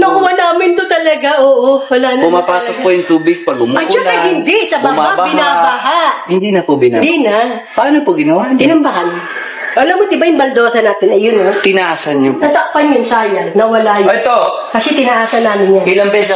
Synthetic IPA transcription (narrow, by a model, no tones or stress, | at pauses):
nɐkʊŋɐnaːmɪnt̪ot̪ɐlɐɡaʔoːʔowɐlanpʊmapaːsok̚pojʊŋt̪uːbɪɡ̚pɐɡʊmɐd͡ʒaɐhɪnd̪ɪsɐbɐhaabapɪnabɐɦaʔhɪnd̪iːnɐpobɪnɐd̪inɐ | pɐʔaːnopoɡɪnɐwaːht̪ɪnɐmbɐɦan | ʔɐlɐmʊt̪ɪbajʊmbɐld̪oːsɐnaːt̪ɪnɐjʊnɐt̪ɪnɐʔaːsɐnɲoɐt̪ɐk̚pɐnjʊnsaːjɐnɐwɐlajoɛt̪o | kɐsɛt̪ɪnɐʔaːsɐnːaːmɪnjanɪlɐŋpɛsɐ